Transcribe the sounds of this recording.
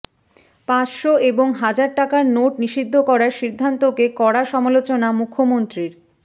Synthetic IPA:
pãt͡ɕʃoeboŋɦad͡ʑaɾʈakaɾnoʈniʃid̪ʱːokɔɾaɾʃid̪ʱːant̪okekɔɾaʃɔmalot͡ɕonamukʰːomont̪ɾiɾ

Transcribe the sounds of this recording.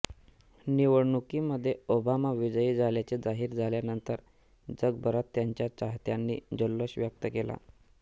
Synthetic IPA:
niʋəɽɳukiːməd̪ʱːjeobamaʋid͡zəiːd͡zʱaljat͡sed͡zaɦiːɾd͡zʱaljanənt̪əɾ | d͡zəɡ̚bəɾat̪ːjaɲt͡ɕjat͡ɕaɦt̪janːiːd͡ʑəlːəɕʋjak̚t̪əkela̰

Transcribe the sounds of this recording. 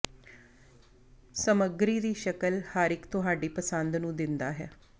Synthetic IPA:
səməɡɾiːd̪iːʃəkəlhəɾɪkt̪ʊɦaːɖiːpəsənd̪nũːd̪ɪnd̪a̰ːɦɛ̰ː

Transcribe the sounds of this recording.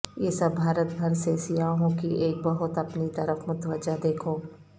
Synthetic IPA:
jeːsɐbːʱaːɾət̪bʱɐɾseːsɪjaːɦõkieːk̚bɐɦʊt̪ɐpnit̪ɐɾəfmʊt̪ʋəd͡ʒad̪eːkʰoː

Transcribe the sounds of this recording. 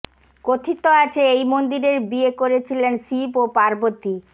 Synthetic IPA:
kot̪ʰit̪ːoat͡ɕʰeejmond̪iɾeɾbiekoɾet͡ɕʰilensipopaɾbot̪ːi

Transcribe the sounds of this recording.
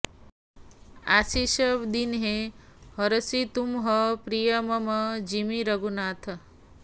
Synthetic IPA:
asiʃəʋd̪inɦe | ɦəɾəsit̪umɦəpɾijəməməd͡ʒimiɾəɡunat̪ʰ

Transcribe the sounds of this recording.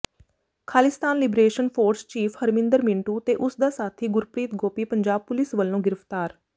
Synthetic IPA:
kʰaːlɪst̪aːnlɪbɾeːʃənpʰoːɾst͡ʃiːpʰhəɾmɪ̃nd̪əɾmɪ̃ɳʈuːt̪eːʔʊsd̪aːsaːt̪ʰiːɡʊɾpɾiːt̪ɡoːpiːpəɲd͡ʒaːb̚pʊlɪsʋəlːõːɡɪɾəpt̪aːɾ

